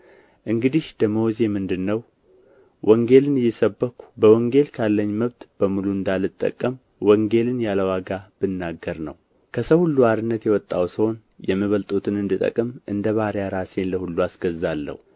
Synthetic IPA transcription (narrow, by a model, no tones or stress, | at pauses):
ʔɨŋɡɨd̪ihd̪əməwɔze̞mɨnd̪ɨnːəw | wʔɔŋɡe̞lɨnɨjːɛsəbːəkʰu̥bəwɔŋɡe̞lkʰalːəɲːməβt̪b̥əmuluɨnd̪alɨt̪ʼːə̰kʼːəm | wɔŋɡe̞lɨnjaləwaɡab̥ɨnːaɡːəɾnə̰w | kʰəsəwhulːuaɾɨnːət̪jɛwɔt̪ʼːawsɨho̞n | jɛmːiβəlt̪ʼut̪ʰɨnɨnd̪ɨt̪ʼə̰kʼɨmʔɨnd̪əβaɾjaɾase̞nləhulːuasɡəzːalːə̰hu